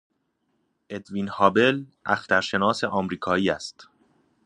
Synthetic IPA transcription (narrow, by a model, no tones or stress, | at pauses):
ʔe̞d̪vinhɒːbe̞lʔæxt̪æɾʃe̞nɒːse̞ʔɒːmɾiːkʰɒːiːæst̪